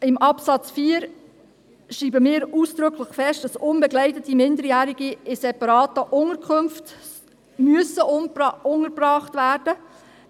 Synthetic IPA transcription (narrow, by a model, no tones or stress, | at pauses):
ɪmʔɑpsɑt͡sfiːəɾ | ʃiːbəmɪːɾuːsd̥ɾʏkʰləχfɛʃt̚d̥ɑsʊnbɛɡlɛɪtətimɪndəɾjæːɾiɡiɪsɛpɑɾɑːtəʔʊŋəkʰχømft | myəsəʔʊŋəɾbrɑːχtvæːɾd̥ə